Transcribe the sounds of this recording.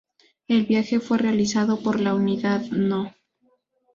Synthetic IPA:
e̞lβjaxe̞fwe̞realisaðo̞po̞ɾlauniðaðno

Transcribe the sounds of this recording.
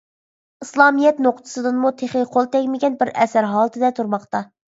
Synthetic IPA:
ɨslˠɑmijɛt̪noqt̪ʰɨ̥sɨd̪ɨnmut̪ʰeχɪqʰolˠt̪ʰɛkʲmɪɡʲɛnbɪɾɛsæɾɦɑːlˠɨt̪ʰɨd̪ɛt̪ʰuɾmɑqt̪ɑ

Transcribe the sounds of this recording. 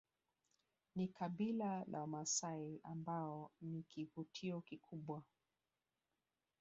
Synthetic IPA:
nikaɓilalʔa̰wamasaiambaɔnikivutʰiɔkikʰuɓwa

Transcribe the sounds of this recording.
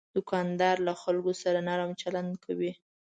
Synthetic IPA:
d̪̥ʊkɑnd̪ɑɾlaxalɡosaɾanɑɾamt͡ʃaland̪kʰawi

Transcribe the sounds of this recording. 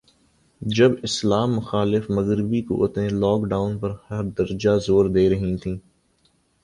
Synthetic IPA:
d͡ʒɐbɪslaːmːʊxaːlɪfmɐɣɾɪbiko̰ʔʊt̪ẽlɔːkɖaːʊnpɐɾhɐɾd̪ɐɾd͡ʒazoːɾd̪eːɾɐɦĩt̪ʰĩː

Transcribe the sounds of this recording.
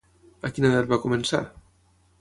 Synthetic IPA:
akinaðɛɾβakumensa̰

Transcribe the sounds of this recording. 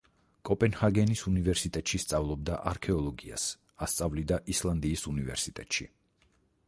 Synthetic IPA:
kʼɔpʼɛnhaɡɛnisunivɛɾsit̪ʼɛt̪ʼʃist̪sʼavlˠɔb̚d̪aʔaɾkʰɛɔlˠɔɡia̰s | ast̪sʼavlid̪aʔislˠand̪iːsunivɛ̰ɾsit̪ʼɛt̪ʼʃḭ

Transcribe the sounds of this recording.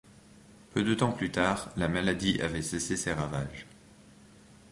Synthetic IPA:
pød̪ət̪ɑ̃plyt̪aːʁlamalad̪iʔavɛseseseʁavaʒ

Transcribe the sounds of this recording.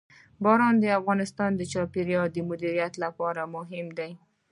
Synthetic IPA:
bɑɾɑnd̪əafɣɑnɪst̪ɑnd̪ət͡ʃɑpeɾjɑd̪əmʊd̪iɾijat̪lapɑɾamʊɦɪmd̪aj

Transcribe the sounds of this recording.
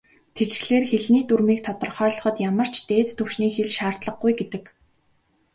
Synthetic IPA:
t̪ʰeɣɘ̆xɮeːrxeɮniːt̪urmiːk̚t̪ʰɔt̪ɞ̆rχœːɮɞ̆χɞ̆t̪jamə̆r̥t͡ɕt̪eːt̪ʰːɵwʃniːxeɮʃaːr̥t̪ɮə̆χɡujɡet̪ɘ̆k

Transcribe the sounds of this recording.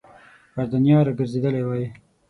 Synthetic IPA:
xaɾd̪anjɑɾaɡəɾzed̪əlewɑji

